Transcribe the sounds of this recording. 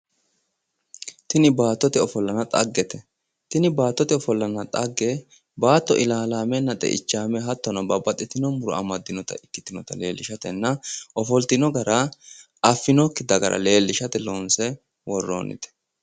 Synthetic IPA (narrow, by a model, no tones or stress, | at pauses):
t̪ɪnɪbaːt̪ːɔt̪ɪɔfɔlːɐnɐt̪ʼɐ̰ɡːɛt̪ɛ | t̪ɪnɪbaːt̪ːɔt̪ɪɔfɔlːɐnɐt̪ʼɐɡːɛ | baːt̪ːɔʔɪlaːlaːmɛnːɐt̪ʼɛ̰ʔɪ̰t͡ʃːaːmɛɦɐt̪ːɔnɐbɐbɐt̪ʼːɪt̪ɪnɔmʊɾɔ̰ɐmɐd̪ːɪnɔt̪ɐ̰ɪkːɪt̪ɪnɔt̪ɐle̞ːlːɪʃɐt̪ɛnːɐʔɔfɔlt̪ɪnɔɡɐɾɐ | ɐfːɪnɔkːɪd̪ɐɡɐɾʔɐ̰le̞ːlːɪʃɐt̪ɛloːnsɛ | wɔrːo̰ːnɪ̰t̪ɛ̥